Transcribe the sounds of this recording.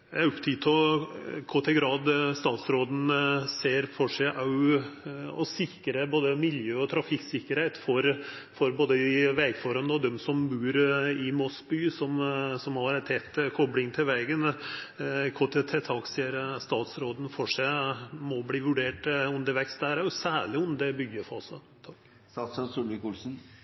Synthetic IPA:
æʉpt̪ʰiːt̪ʰɔkʰɔt̪ʰɪlɡɾɑːd̪st̪ɑːt̪sɾoːd̪n̩seːɾfɔʂæɪʔɑʉ | ɔsɪkɾəboːd̪əmɪljøːɔt̪ʰɾɑfɪksɪkːəɾhɛɪt̪fɔɾ | fɔɾboːd̪əʋɛːɡføɾɑnd̪əɔd̪ɛmsɔmbʉːɾɪmɔsbyːsɔmsɔmhɑɾæt̪ʰɛt̪ːkʰɔblɪŋt̪ʰɪlʋɛːɡən | kʰɔt̪ʰːɛt̪ʰɛt̪ʰɑːkseːəɾst̪ɑːt̪sɾoːd̪ən̩fɔʂæɪmɔbliːʋʉɖeːʈʉnd̪əɾʋɛkst̪̚d̪æɾæɾʊsæːɭɪʊmd̪ɛbʏɡəfɔsɔ | t̪ʰɑ | sɑsɑsulɪkuːlsn̩

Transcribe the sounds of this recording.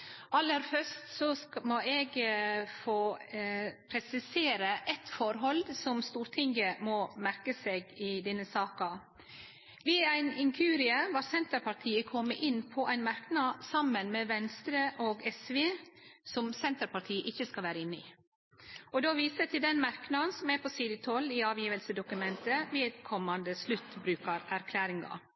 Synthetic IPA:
ʔɑlːəɾfœʂt̪sɔmɔɛɡfoː | pʰɾɛsɪseːɾəʔɛt̪fɔɾɦɔld̪sɔmst̪uːɾt̪ʰɪŋɡəmɔmæɾkəseːɡɪd̪ɛnːəsɑːkɑ | ʋɪæɪnɪŋkʰʉːɾɪəʋɑɾsɛnt̪əɾpɑɾt̪ʰiːəkʰɔmːəʔɪnːpʰɔʔæɪnmɑɾknɑsɑmənmeːʋɛnst̪ɾəʔoːɡɛsʋeːsɔmsɛnt̪əɾpɑt̪ʰiːəʔɪçːəskɑlʋæːɾəɪnːəɪ̰ | ɔd̪oːʋiːsət̪ʰɪld̪ɛnmɑɾknɑnsɔmæɾpʰɔsiːd̪ɪt̪ʰɔlːɪɑːʋjiːʋəlsəd̪ʊkʉmɛnt̪əʋeːd̪kʰɔmːɑnd̪əslʉt̪ːbɾʉːkəɾæɾkʰlæːɾɪŋɑ̰

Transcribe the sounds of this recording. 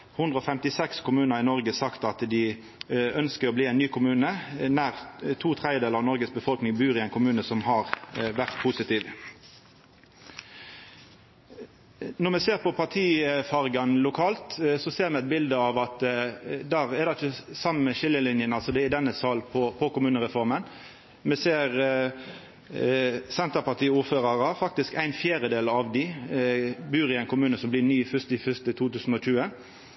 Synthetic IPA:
hʉnd̪ʁəɔfɛmt̪ɪsɛkskʰʊmʉːnəʁʁɪnɔʁɡəsɑkt̪ɑt̪d̪ɪ | œnskəʁɔbliːɛɪnnyːkʰʊmʉːnənæʁt̪ʰuːt̪ʰʁɛɪəd̪eːləʁɑʋnɔʁɡəsbəfɔlknɪŋbʉːʁɪɛɪnkʰʊmʉːnəsɔmhɑʁʋæʁt̪pʰusɪt̪ʰiːʋ | nɔʁmɛseːʁpɔpʰɑʁt̪ʰiːfɑʁɡɑnlʊkʰɑːlt̪sɔseːʁmɛæɪt̪bɪld̪əɑʋɑt̪d̪æːʁɛd̪ɑɪt͡ʃːəsɑmənmɛʃɪlːəlɪnjənɑlsɔd̪ɛɪd̪ɛnːəsɑlpʰɔpʰɔkʊmʉːnəʁɛfɔʁmən | mɛseːʁ | sɛnt̪əpɑʁt̪iːəuːɾføːʁɑʁɑfɑkt̪ɪskæɪnfjæːɾəd̪eːlɑʋd̪ɪ | byːɾɪæɪnkʰʊmʉːnəsɔmblɪnyːfʏst̪ɪfʏst̪ət̪ʰuːt̪ʉːsn̩ɔc͡çʉːə

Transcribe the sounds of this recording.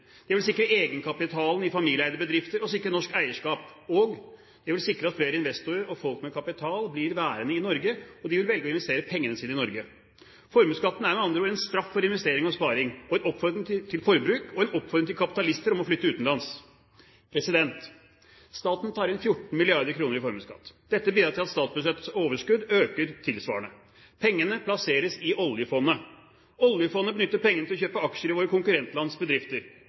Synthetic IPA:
d̪̥ɛʋɪls̬ɪkːɾəeːɡənkʰɑpɪt̪ʰɑːlnɪfɑmiːlɪæɪd̪əɾbəd̪ɾɪft̪əɾɔsɪkɾənɔʂkæɪəʂkɑːpɔɡ | d̪̥ɛʋɪlsɪkːɾəɑt̪fleːɾəɪnʋɛst̪ʊɾəɾɔfɔlkmɛkʰɑpɪt̪ʰɑːlblɪɾʋæːɾənəɪnɔɾɡəɔd̪ɪʋɪlʋɛlɡəɔɪnʋɛst̪eːɾəpʰɛŋːənəsiːnɪnɔɾɡə | fɔɾmʉːskɑt̪ːn̩æɾmɛɑnd̪ɾəuːɾɛnst̪ɾɑfːɔɾɪnʋɛst̪eːɾɪŋɔspɑːɾɪŋɔɛnɔpːfɔɾd̪ɾɪŋt̪ʰɪlfɔɾbɾʉːkʰɔɛnɔpːfɔɾd̪ɾɪŋt̪ʰɪlkʰɑpɪ̥t̪ɑlɪst̪əɾɔmɔflʏt̪ːəʉːt̪n̩lɑns | pʰɾɛsɪd̪ɛnt̪ | st̪ɑːt̪n̩t̪ʰɑːɾɛnfjʊʈːn̩mɪlɪɑɾd̪əɾkʰɾuːnəɾɪfɔɾmʉːskɑ̰t̪ːd̪̥ɛt̪ːəbiːd̪ɾɑʈ̪ɪlɑt̪st̪ɑːt̪sbʉʂɛt̪ːsoːʋəʂkʉd̪øːkəɾt̪ʰɪlsʋɑ̰ːəɳə | pʰɛŋːənəpʰlɑseːɾəsɪʔɔljəfɔnːə | ɔljəfɔnːəbənʏt̪ːəɾpʰɛŋːənət̪ɪɔçøːpəɑkʂəɾɪʋoːɾəkʊŋkʉɾɛnt̪lɑnsbəd̪ɾɪft̪əɾ

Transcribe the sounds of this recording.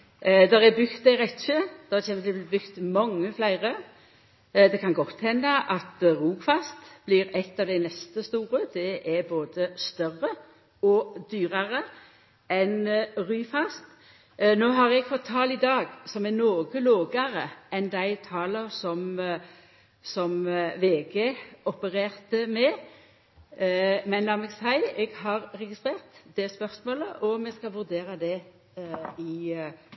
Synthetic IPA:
d̪ɔʁɛbʏɡt̪̚d̪æɪʁɛt̪ʃəd̪̥ɔeːməɛbʏkt̪mɑŋːəflæɪʁə | d̪ɛkʰɑnɡɔt̪ːhɛnd̪əʔɑt̪ʁuːɡfɑst̪b̥liɾɛt̪ːɑʋd̪æɪnɛst̪əst̪uːɾəd̪̥ɛʔɛɾboːd̪əst̪œrə | ɔd̪yːɾɑɾə | ɛnɾyːfɑst̪ | noːɦɑʁɛɡfɔt̪ʰːɑːlid̪ɑːɡsɔmɛnoːɡəloːɡɑʁəɛnd̪æɪt̪ʰɑːləʁsɔm | sɔmʋeːɡeːɔpəʁeːʁt̪əmɛ | mɛnd̪ɑmɛɡsæɪɛɡhɑʁʁɛɡɪst̪ʁeːʁt̪d̪̥ɛspœʁsmoːləʔɔmɛskɑʋʉʁd̪eːʁɑd̪ɛ | ɪ

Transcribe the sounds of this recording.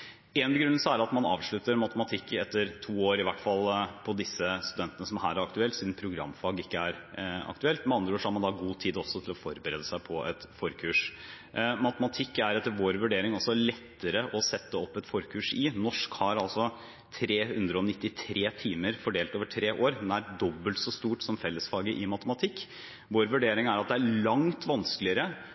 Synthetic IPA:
ɛnɡɾʉnl̩səæɾɑt̪mɑnɑ̰ːʋʂɭʉt̪əɾmɑt̪əmɑt̪ʰɪkːɛt̪ːəɾt̪ʰuːoːɾɪʋæʈfɑlpʰɔd̪ɪsːəst̪ʉd̪ɛnt̪ənəsɔmhæːɾæɾɑk̚t̪ʉɛlt̪siːd̪n̩pʰɾʊɡɾɑ̰mːfɑːɡəɪkːəæɾɑ̰k̚t̪ʉɛlt̪mɛnɑnd̪ɾəoːʂɔhæɾmɑnd̪ɑɡuːt̪ʰiːd̪ɔsːɔt̪ʰɪlɔfɔɾbəɾeːd̪əsæɪpʰɔʔɛt̪fɔɾkʰʉːʂ | mɑt̪əmɑt̪ʰɪkːæɾɛt̪ːəɾʋoːɾʋʉɖeːɾɪŋɔsːɔlɛt̪ːəɾəʔɔsɛt̪ːəɔpːɛt̪fɔɾkʰʉːʂɪnɔʂkhɑɾɑlsɔ | t̪ʰɾeːhʉnd̪ɾəɔnɪt̪ːɪt̪ʰɾeːt̪ʰiːməɾfɔɖeːlt̪oːʋəʈʰɾeːʔoːɾɛnæɾɖɔbːəlt̪sɔst̪uːʈsɔmfɛlːəsfɑːɡəʔɪmɑt̪əmɑt̪ʰɪkː | ʋoːɾʋʉɖeːɾɪŋæɾɑt̪̚d̪ɛælɑŋt̪ʰʋɑnskəlɪəɾə

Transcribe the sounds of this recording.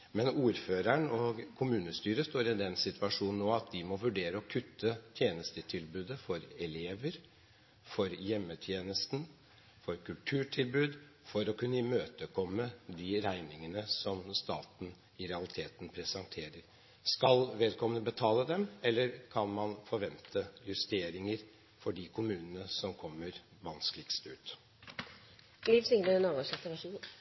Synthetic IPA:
mɛnuːɾføːɾæɳɔɡkʰʊmʉːnəst̪yːɾəst̪oːɾɪd̪ɛnsɪt̪ʰʋʉɑʂuːnn̩ːoːɑt̪̚d̪ɪmɔʋʉɖeːɾəɔkʰʉt̪ʰːət̪ʰjeːnəst̪ət̪ʰɪlbʉːd̪əfɔɾɛleːʋəɾ | fɔɾjɛmːət̪ʰjeːnəst̪n̩ | fɔɾkʰʉlʈ̪ʰʉːʈʰɪlbʉːd̪ | fɔɾɔkʰʉnːəimøːt̪əkʰɔmːəd̪ɪɾæɪnɪŋənəsɔmst̪ɑːt̪n̩ | ɪɾɛɑlɪt̪ʰeːt̪n̩pʰɾɛsɑŋt̪ʰeːɾəɾ | skɑlʋeːd̪kʰɔmənəbət̪ʰɑːləd̪ɛmɛlːəɾkʰɑnmɑnfɔɾʋɛnt̪ʰəjʉst̪eːɾɪŋəɾ | fɔɖikʰʊmʉːnənəsɔmkʰɔmːəɾ | ʋɑnsklɪkst̪ʉːt̪ | liːʋsɪŋləɾɛnɑɡəʂɛt̪ːəʋæʂin

